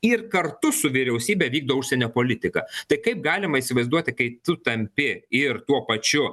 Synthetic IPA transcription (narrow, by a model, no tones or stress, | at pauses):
ɪrkɐrt̪ʊsʊʋʲɪɾʲɛʊsʲiːbʲɛʋʲiːɡ̚d̪oʋʊʃʲsʲɛnʲoːpoːlʲɪt̪ʲɪkɐ̰t̪ɐɪkɐɪp̚ɡɑːlʲɪmɐiːsʲɪʋɐɪzd̪uɔt̪ʲɪkɐɪt̪ʊt̪ɐmʲpʲɪɪrt̪uɔpɐt͡ʃʲʊ